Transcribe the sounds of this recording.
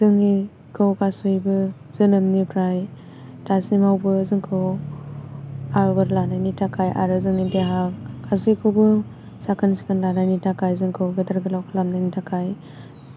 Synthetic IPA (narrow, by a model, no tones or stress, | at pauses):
zɯŋi | kʰɯwkasɯjbɯ | z̥ɯnɯmnipʰɾaj | tasimawbɯzɯŋkʰɯw | aɾbaɾlanajnitʰakʰajʔa̰ɾɯzɯŋideɦakkasɯjkʰɯwbɯ | sakʰansi̥kʰanlanajnitʰakajzɯŋkʰɯwɡedaɾɡɯlawkʰalamnajnitʰakʰaj